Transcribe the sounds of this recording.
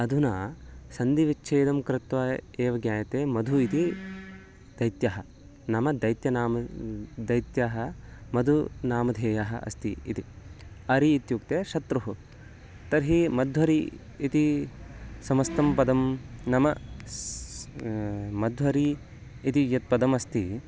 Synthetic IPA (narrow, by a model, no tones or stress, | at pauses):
ɐd̪ʱunaːsɐnd̪iʋit͡ʃːʃʰeːd̪ɐmkɾɪt̪ʋɐeːʋɐɡjaːjɐt̪eːmɐd̪ʱuit̪i | d̪̥ɐjt̪jɐɦɐ̆ | nɐmɐd̪ɐjt̪jɐnaːmɐd̪ɐjt̪jaːɦɐmɐd̪ʱunaːmɐd̪ʱeːjaːɦɐ̰ɐ̰st̪iḭt̪i | ɐɾiːt̪jukt̪eːʃɐt̪ɾuɦu | t̪ɐɾɦimɐd̪ʱʋɐɾi | it̪i | sɐmɐst̪ɐmpɐd̪ɐmnɐmɐ | mɐd̪ʱʋɐɾiː | t̪ijɐt̪̚pɐd̪ɐmɐst̪i